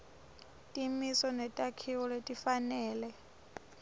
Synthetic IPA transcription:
tʼimisɔnɛtʼakʰiwɔletʼifanɛːlɛ

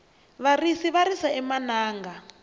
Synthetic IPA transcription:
βarisiβaɾisaɛmanaːŋɡa

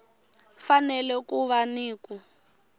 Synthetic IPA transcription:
fanɛlɛkuβaniːku

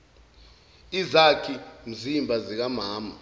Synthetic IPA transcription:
izakʰim̩zimbʱazik̬amaːma̰

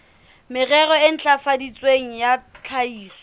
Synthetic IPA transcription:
mɪrɛrɔɪn̩t͡ɬafadit͡sʼweŋ̩jat͡ɬʰaiːsɔ̥

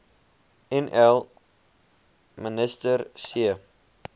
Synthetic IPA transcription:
ɛnʔɛlˠ | mənəstərsiə

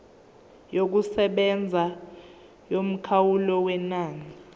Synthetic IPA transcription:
jok̬usɛɓɛnd͡zʱa | jom̩kʰawulɔwɛnaːni

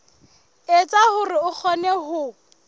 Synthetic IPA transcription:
et͡sʼahʊrɪʊk͡xʰɔnɛɦʊ

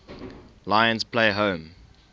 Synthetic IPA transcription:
laɪə̃nspʰleɪɦõʊ̃m

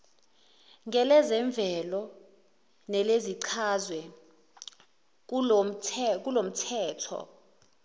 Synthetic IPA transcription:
ŋɛlɛzɛɱb̪vʱɛlɔ | nɛleziǀʰazwɛ | kʰ | k̬ʼulom̩tʰɛːtʰɔ̰

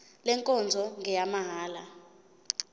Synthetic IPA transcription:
lɛŋkʼɔnd͡zʱɔŋɡʱɛjamaɦaːla

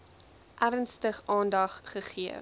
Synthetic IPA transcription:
ʔæɾnstəχʔɑːndɐχχəχiə

